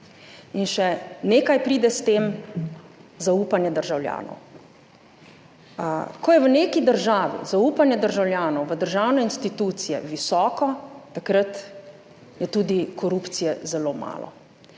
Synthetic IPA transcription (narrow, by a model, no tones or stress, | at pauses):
inʃɛneːkajpɾiːd̪ɛst̪eːm | zauːpanjɛd̪əɾʒawlʲja̰ːnɔ̰w | kɔjɛʋəneːkid̪əɾʒaːʋḭzauːpanjɛd̪əɾʒawljaːnɔwʋəd̪əɾʒawnɛinst̪it̪uːt̪sijɛ̰ʋisɔːkɔt̪akɾət̪ | jɛt̪uːd̪ikɔɾuːpt̪sijɛzɛloːma̰ːlɔ̰